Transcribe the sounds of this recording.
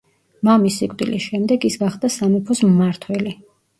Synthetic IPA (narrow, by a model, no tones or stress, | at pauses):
mamisikʼd̪ilisʃɛmd̪ɛɡisɡaχd̪asamɛpʰɔsmːaɾt̪ʰwɛli